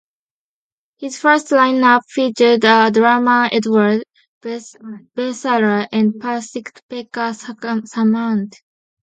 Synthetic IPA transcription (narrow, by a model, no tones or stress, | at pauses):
hizfɜ˞stlãɪ̃nʌpfit͡ʃədədɹamaɛdwə˞d | b̥ɛsaɹəʔɛ̃n̚pʰasɪktpɛkasamãnt